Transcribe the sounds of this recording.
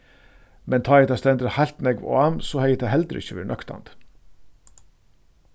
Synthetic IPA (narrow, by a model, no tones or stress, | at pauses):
mɛnt̪ʰɑːɛt̪ɑst̪ɛnd̪ɾəhɑɪlt̪nɛɡʋo̰ːɑmsoːhɛjɪt̪ʰæhɛld̪əɾʔɪ̰çəʋɪ̰ːɳʔœkt̪ɑ̰nd̪̥